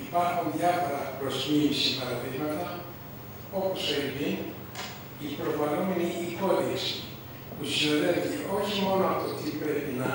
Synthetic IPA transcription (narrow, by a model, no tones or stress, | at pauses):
ipɐɾxunðjɐfo̞ɾɐpɾo̞simisipɐɾɐðiɣmɐt̪ɐ | o̞poseɾivin | ipɾo̞fɐlomeniːko̞lies | pusinoðent̪ieoçimo̞noɐft̪ot̪ipɾepinɐ